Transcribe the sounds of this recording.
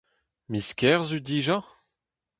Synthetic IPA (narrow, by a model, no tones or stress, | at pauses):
miskʲɛʁzyd̪iːʒa